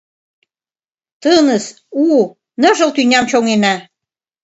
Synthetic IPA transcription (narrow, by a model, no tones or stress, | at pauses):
t̪ɤnə̆s | u | nə̆ʒɤ̆lt̪ynʲɑmt͡ɕoŋenæ